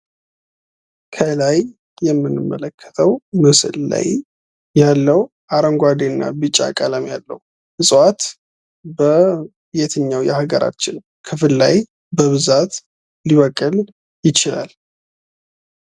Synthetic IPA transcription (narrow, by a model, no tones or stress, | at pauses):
kʰəlaj | jːɛmːɨnːɨmːələkʰːə̥t̪ʰəwmɨsɨ̰lːa̰j | jalːəw | ʔaɾəŋɡʷad̪enːa̰bɨt͡ʃʼːa̰kʼələmjalːə̰hu | hɨsʼwat̪ | bə | jet̪ʰɨɲːawjɛhaɡəɾa̰t͡ʃːɪn | kʰɨfɨlːaj | bəβɨzat̪ | liβəkʼːɨl | jɪt͡ʃɪla̰l